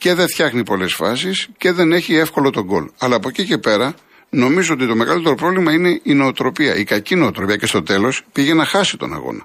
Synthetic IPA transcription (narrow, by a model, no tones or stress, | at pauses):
ce̞ðe̞fçɐxnipo̞le̞sfɐ̰sisce̞ðe̞ne̞çie̞fko̞lo̞t̪o̞ɡo̞̰lɐlɐːpo̞cice̞pe̞ɾɐ | no̞mizoot̪it̪o̞meɣɐlit̪e̞ɾo̞pɾovlimɐine̞ino̞ːt̪ɾo̞piɐ̰ʔikɐcino̞ːt̪ɾo̞piɐce̞st̪o̞t̪e̞lo̞spiʝe̞nɐxɐsit̪o̞̰nɐ̰ɣo̰nɐ